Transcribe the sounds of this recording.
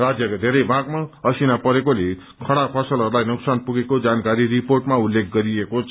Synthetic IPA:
rad͡zjʌkd̪ʱeɾʌjbãɡmaʌsinapʌɾekole | kʰʌɽapʰʌsʌlɦʌɾulajnuksanpuɡekod͡zankaɾiɾiporʈmaulːekʰɡʌɾiekot͡sʰ

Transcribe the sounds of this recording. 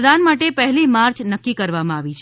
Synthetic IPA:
d̪anmaʈepɛɦɛlimaɾt͡ʃʰnəkːikəɾʋamãaʋit͡ʃʰ

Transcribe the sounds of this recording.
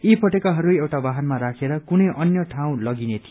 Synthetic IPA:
ipʰʌʈekaɦʌɾuewʈabaɦʌnmaɾakʰeɾʌkunʌjʔʌnjʌʈʰaw̃lʌɡinet̪ʰi

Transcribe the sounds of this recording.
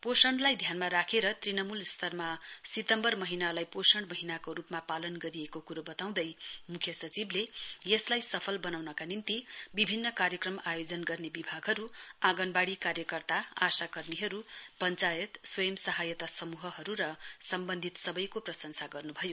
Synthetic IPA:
posʌɳɖlajd̪ʱjanmaɾakʰeɾʌt̪rinʌmulst̪ʰʌrmasit̪ʌmbʌrmʌɦinalajposʌɳɖmʌɦinakoɾupmapalʌnɡʌɾiekokuɾobʌt̪aw̃d̪ʌjmukʰjʌsʌt͡siblejʌslajsʌpʰʌlbʌnawnʌkanint̪ibibʱinːʌkaɾjʌkrʌmajod͡zʌnɡʌrnebibʱaɡɦʌɾuaɡʌnbaɽikarjʌkʌrt̪aasakʌrmiɦʌɾupʌnt͡sajʌt̪swʌjʌmsʌɦajʌt̪asʌmuɦʌɦʌɾuɾʌsʌmbʌnd̪ʱit̪sʌbʌjkoprʌsʌnsaɡʌrnubʱʌjo

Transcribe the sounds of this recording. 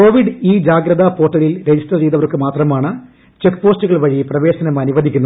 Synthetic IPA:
ko̞ːʋiɖɨiːd͡ʑaːɡɾɐðɐpo̞ːʈːɐlilɾed͡ʑistɐrt͡ɕejðɐʋɐrkːɨmaːt̪rɐmaːɳɨ | t͡ɕekːpo̞ːstuɣɐɭʋɐɻiprɐʋe̞ːɕɐnɐmɐnuʋɐd̪ʱikʲːunːɐ

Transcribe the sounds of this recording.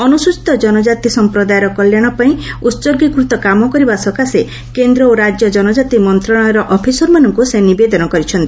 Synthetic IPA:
ɔnusut͡ʃi̥t̪ɔd͡ʒɔnɔd͡ʒat̪isɔmpɾɔd̪ajɔɾɔkɔljaɽ̃ɔpaĩut̪soɡikɾut̪ɔkamɔkɔɾibasɔkase | kend̪ɾɔoɾad͡ʒjɔd͡ʒɔnɔd͡ʒat̪imɔnt̪ɾɔɽ̃ɔjɔɾɔʔɔpʰisɔɾmanɔŋkusenibed̪ɔnɔkɔɾit͡ʃʰɔnt̪ii

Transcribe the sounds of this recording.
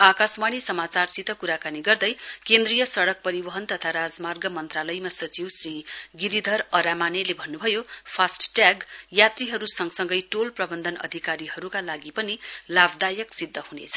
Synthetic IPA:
akaswaɽ̃isʌmat͡sarsit̪ʌkuɾakaniɡʌrd̪ʌjkend̪rijʌsʌɽʌk̚pʌɾibʌɦʌnt̪ʌt̪ʰaɾad͡zmarɡʌmʌnt̪ralʌjmasʌt͡siwsriɡiɾid̪ʱʌrʌɾamanelebʱʌnːubʱʌjopʰasʈʈjaɡjat̪riɦʌɾusʌŋɡsʌŋɡʌjʈolprʌbʌnd̪ʱʌnʌ̰d̪ʱikaɾiɦʌɾukalaɡipʌnilabd̪ajʌksid̪ʱːʌhunet͡sʰʌ̥

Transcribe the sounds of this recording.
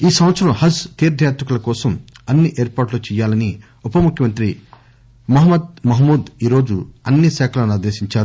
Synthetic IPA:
iːsɐ̃mʋɐt̪sɐɾɐmhɐst̪iːɾd̪ʱjaːt̪ɾɐkulɐkɔːsɐmɐnːiʔeːɾpaːʈloːt͡ʃɛːjːaːlɐni | upɐmukʰjɐmɐnt̪ɾi | mɐɦɐmɐd̪̚mɐɦmuːd̪iːɾoːd͡ʒṵɐnːisɛːkʰɐlanad̪eːʃiɲt͡ʃaːɾu

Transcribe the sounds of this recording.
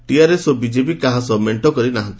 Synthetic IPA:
ʈiaɾesobid͡ʒepikaɦasɔmeɳʈɔkɔɾinaɦãnt̪i̥

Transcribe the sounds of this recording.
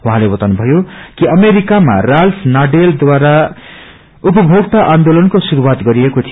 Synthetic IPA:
uɦãlebʌt̪anubʱʌjokiʌmeɾikama̰ralpʰnaɖeld̪waɾa | upʌbʱoɡt̪aʔand̪olʌnkosuɾuwat̪ɡʌɾiekot̪ʰijo

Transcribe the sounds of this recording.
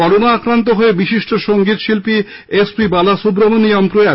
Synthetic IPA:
ɔɾonaakɾant̪̬oɦoebiʃiʃʈoʃoŋɡit̪ʃilpi | espibalaʃubɾomoniampɾoa

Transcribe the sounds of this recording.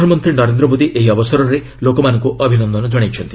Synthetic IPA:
ɔnɔmɔnt̪ɾinɔɾend̪ɾɔmod̪iʔeɦiɔbɔsɔɾɔɾe | lokɔmanɔ̃ŋkuʔɔbʱinɔnd̪ɔnɔd͡ʒɔɽajt͡ʃʰɔnt̪i̥

